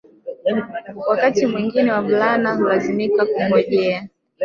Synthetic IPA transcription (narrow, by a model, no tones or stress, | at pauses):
wakatimwiŋɡinɛwavulanahulazimikakuhɔʄɛa